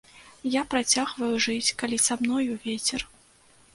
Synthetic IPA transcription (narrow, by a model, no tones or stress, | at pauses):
japɾat͡sʲaɣvɐjuʐɨt͡sʲkalʲisamnɔjuvʲet͡sʲɛr